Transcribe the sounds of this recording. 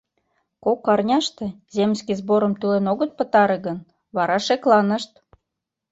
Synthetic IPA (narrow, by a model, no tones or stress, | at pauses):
kokːɑrnʲɑʃt̪e | zemʲskizboɾəmt̪ylenoɣət̪̚pət̪ɑɾeɣən | βɑɾɑʃeklɑnəʃt̪̚